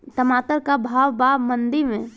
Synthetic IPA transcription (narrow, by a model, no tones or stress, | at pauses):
t̪əmaːt̪əɾkabʱaːwbaːpmə̃nd̪iɾmẽ